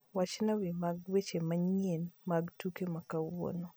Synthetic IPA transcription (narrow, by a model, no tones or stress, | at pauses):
wat͡ʃnawɪmaɡwet͡ʃemaɲenmaɡtukemakawo̰no